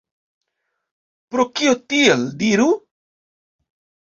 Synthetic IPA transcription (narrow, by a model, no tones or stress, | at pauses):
pɾokiot̪ield̪iɾu